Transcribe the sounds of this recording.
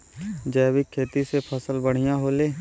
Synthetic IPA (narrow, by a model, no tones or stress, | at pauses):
d͡ʒɛːʋɪkʰːeːt̪isepʰəsəlbəɽ̤ɪjãɦoːleː